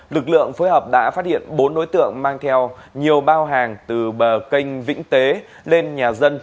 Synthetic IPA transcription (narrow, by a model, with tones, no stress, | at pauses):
lɨ˨˩k̬̚lɨ̰˧˨əŋfoː˨˦jɦəː˨˩p̚ɗa̰ː˧˥faː˦˥t̚hḭ˧˨ənɓo˨˦nɗo̰˧˥jt̪ɨ̰˧˨əŋmaː˧ŋt̪ʰɛ˧wɲi˨˩əwɓaː˧wɦaː˨˩ŋt̪ɨ˨˩ɓəː˨˩ki˧jŋ̟vḭ̈˧˥ŋ̟t̪e˨˦ | le˧nɲaː˨˩zə˧n